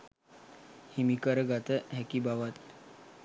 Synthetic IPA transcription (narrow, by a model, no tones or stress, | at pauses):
himikəɾəɡat̪əɦɛkibaʋat̪̚